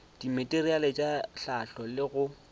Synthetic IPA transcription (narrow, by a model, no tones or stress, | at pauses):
d̥imetʼerialet͡ʃʼaɬaɬɔlɪɣʊ